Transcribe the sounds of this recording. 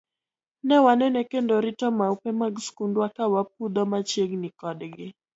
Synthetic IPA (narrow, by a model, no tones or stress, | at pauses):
nɛwanɛnɛkɛndɔɾitɔmaupɛmaɡskundwakawap̚ud̪ɔmat͡ʃɛɡnikɔɗɛɡɛ